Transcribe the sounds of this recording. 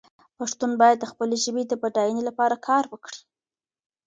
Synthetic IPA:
paʂt̪unbɑjad̪ːəxpəleʒəbed̪əbaɖɑjənelapɑɾakʰɑɾwəkɽi̥

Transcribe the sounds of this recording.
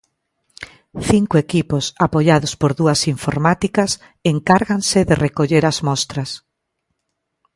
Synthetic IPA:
θiŋkʊekiposapoʎaðʊspoɾðuɐsiɱfoɾmat̪ikɐs | eŋkaɾɣansɪðerekoʎeɾazmɔst̪ɾɐs

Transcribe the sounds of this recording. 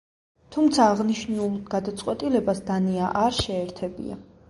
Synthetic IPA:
t̪ʰumt̪sʰaːʁniʃnulˠɡ̥ad̪at̪sʼqʼwɛt̪ʼilɛbasd̪aniaʔaɾʃɛːɾt̪ʰɛbḭa̰

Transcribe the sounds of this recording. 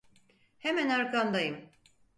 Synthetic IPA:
hemænaɾkʰamd̪ajɯm

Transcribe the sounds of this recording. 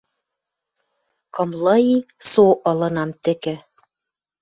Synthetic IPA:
kɤ̆mlɤisoʔɤ̆lɤ̆nɑmt̪ɘ̆kɘ̆

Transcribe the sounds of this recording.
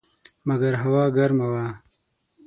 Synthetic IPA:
mɐɡɐɾɦawɑːɡɐɾmawaː

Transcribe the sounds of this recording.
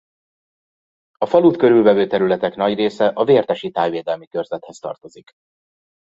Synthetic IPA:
ɒfɒluːt̪kø̞ɾylvɛvøːt̪ɛɾylɛt̪ɛkn̪ɒɟreːsɛʔɒveːrt̪ɛʃit̪aːjveːd̪ɛlmikø̞rzɛt̪hɛst̪ɒ̰rt̪o̞zik

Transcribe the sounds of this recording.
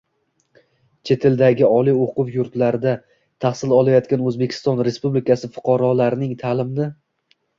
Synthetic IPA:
t͡ʃʰe̞t̪ʰe̞ld̪aɡʲɪɒlˠijoqʊwjʊɾt̪laɾɪd̪a | t̪ʰahsɪlˠɒlˠajɒt̪kʲanɵzbe̞kʲʰɪ̥st̪ɒnɾe̞spublɪkʰʲasɪfʊ̥qʰɑɾɒlaɾɪnɪŋt̪ʰalɪmnɪ

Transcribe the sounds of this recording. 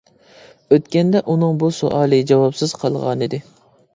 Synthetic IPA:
øt̪kʲɛnd̪ɛʔunɨŋbuso̰ʔɑːlˠɨd͡ʒɑwɑpsɨz̥qʰɑlˠʁɑ̰nɨd̪ɪ

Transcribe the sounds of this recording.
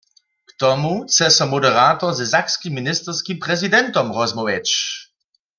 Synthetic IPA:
kt̪ɔmut͡sɛsɔmɔdɛʁaːt̪ɔʁzɛzakskimːinɪst̪ɛʁskimpʁɛzidɛnt̪ɔmʁɔzmɔwɛt͡ʃ

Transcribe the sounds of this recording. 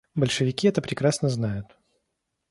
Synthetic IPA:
bəlʲʂɨvʲɪkʲiɛt̪əpɾʲɪkɾasnəznajʊt̪

